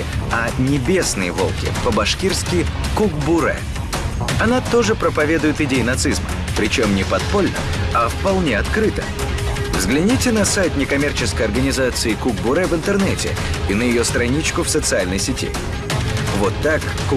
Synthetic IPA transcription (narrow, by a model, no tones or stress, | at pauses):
ɐnʲɪbʲe̞snɨjəvo̞lˠkʲɪ̰pəbɐʂkʲirskʲɪkuɡbʊɾɛ̰ | ɐnat̪o̞ʐɨpɾəpɐvʲe̞d̪ʊjɪt̪ɪdʲejɪnɐt̪sɨzmə̰ | pɾʲɪt͡ɕo̞mnʲɪpɐt̪̚po̞lʲnə̰ɐfpɐlˠnʲeɐt̪kɾɨt̪ə̰ | vzɡlʲɪnʲitʲɪnɐsajt̪ʲnʲɪkɐmʲe̞rt͡ɕɪskəjɐrɡənʲɪzat̪sɨɪkuɡ̚bʊɾɛvɨnt̪ɨrnɛtʲɪ̰ | ɪnəjɪjost̪ɾɐnʲit͡ɕkʊfsət̪sɨalʲnəjsʲɪtʲḭ | vot̪ːakː